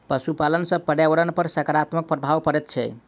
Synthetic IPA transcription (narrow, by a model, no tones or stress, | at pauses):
pəsupalənsə̃pəɾjaʋəɾənpəɾsəkaɾat̪mək̚pɾəbʱaʋpəɾɛt̪̚t͡ʃʰɛ̰